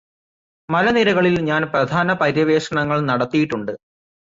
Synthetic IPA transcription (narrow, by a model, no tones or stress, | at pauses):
mɐlɐniɾɐɣɐɭilɲaːnprɐd̪ʱaːnɐpɐɾjɐʋe̞ːʂɐɳɐŋːɐɭnɐɽɐt̪ːijiʈːuɳɖɨ